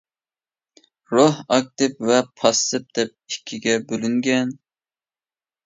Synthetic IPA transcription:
ɾohɑk̚t̪ɨpvɛpʰɑst̪ɨp̚d̪̥ɛp̚ikʲʰːiɡʲɛbølyŋɡʲɛn

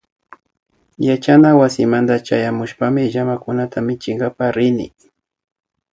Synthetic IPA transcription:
jat͡ʃanawasɪmand̪at͡ʃajamʊʃpamɪʒamakʊnat̪ʰamɪt͡ʃɪŋɡapaɾɪnɪ̰

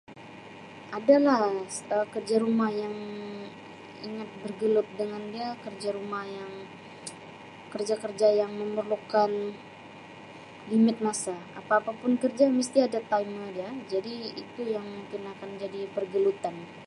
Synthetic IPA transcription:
ʔadalahəkərd͡ʒaɾumahjaŋ | ḭŋat̪̚bərɡəlʊt̪̚dəŋandiakərd͡ʒaɾumahjaŋ | kərd͡ʒakərd͡ʒajaŋməmərlukan | limɪt̪̚masaapaːpapʊnkərd͡ʒamist̪iadat̪ajmədiad͡ʒadiḭt̪ujaŋmpinakand͡ʒadipərɡəlut̪an

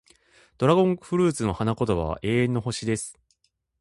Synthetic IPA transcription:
d̪̥o̞ɾaɡõ̞ŋɸɯ̟ɾɯ̟ːt͡sɨno̞hanako̞t̪oβa̰ʔe̞ːẽ̞nːo̞ɦo̞ɕid̪e̞sɨ̥

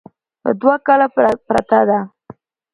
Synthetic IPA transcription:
ə̰d̪wakalapɾa̰t̪ad̪a

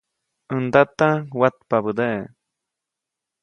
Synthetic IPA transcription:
ənd̪at̪awat̪̚paβɨd̪eʔ

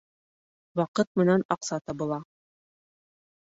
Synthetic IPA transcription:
wɑqɤt̪̚mɘ̆nænɑqsɑt̪ɤbŭlˠɑ

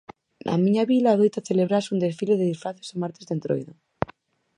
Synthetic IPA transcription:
nʔa̰miɲaβilaːðejt̪aθeleβɾasund̪esfileðeðisfɾaθezomaɾt̪ezðent̪ɾo̰jðo

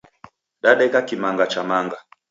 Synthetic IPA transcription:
ɗaɗɛkakimaŋɡat͡ʃamaŋɡa

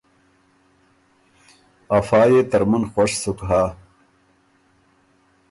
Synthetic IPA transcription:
ɐfɑːjet̪ɐɾmənxwɐʂsukɦaː

